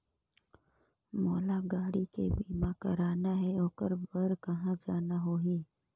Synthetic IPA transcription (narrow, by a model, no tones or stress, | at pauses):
moːlaɡaːɽikebiːmãkəɾaːnaɦeoːkəɾbəɾkəɦãd͡ʒaːnaɦoːɦiː